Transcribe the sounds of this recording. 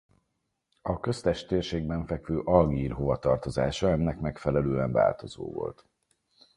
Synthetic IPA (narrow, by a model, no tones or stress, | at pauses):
ɒkø̞st̪ɛʃt̪eːrʃeːɡ̚bɛɱfɛkvøːʔɒlɡiːrɦovɒt̪ɒrt̪o̞zaːʃɒɛnːɛkmɛkfɛlɛløːɛɱva̰ːlt̪o̞zo̰ːvo̞̰lt̪